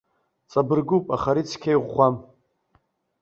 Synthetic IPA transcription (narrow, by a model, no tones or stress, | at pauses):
t͡sʼabɨrɡupʼaχaɾit͡sʰkʲʰejʁʷːam